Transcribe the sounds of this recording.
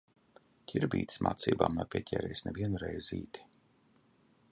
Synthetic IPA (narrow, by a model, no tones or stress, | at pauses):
cʲʰiɾbḭːt̪ʲi̥smʔa̰ːt̪sḭːba̰ːmnapʲiɛcʰʲɛ̰ːɾɛːjsnɛviɛnuɾɛjzḭːt̪i̥